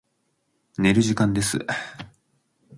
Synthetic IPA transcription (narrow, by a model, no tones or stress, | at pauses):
ne̞ɾɯ̟ʑikãnd̪e̞sɨ̰